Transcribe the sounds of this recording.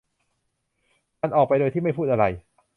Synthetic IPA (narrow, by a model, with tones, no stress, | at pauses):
ka˧nʔɔː˨˩k̚pa˧jdoː˧j̪t̪ʰiː˥˩ma˥˩jpʰuː˥˩ʔa˧ɾa˧j